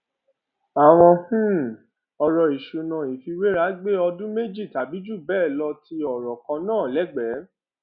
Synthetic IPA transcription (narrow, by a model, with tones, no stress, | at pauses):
a˨w̃ɔ̃˧hũ˦ | ɔ˧ɾɔ˧i˨ʃu˨nã˨i˨fi˧we˦ɾa˨˦ɡ͡be˦ɔ˧dũ˦me˦d͡ʒi˦˨ta˨˦bi˨˦d͡ʒu˦˨bɛː˦˨lɔ˧ti˧˦ɔ˨ɾɔ˨kã˧nãː˦˨lɛ˨˦ɡ͡bɛ˨˦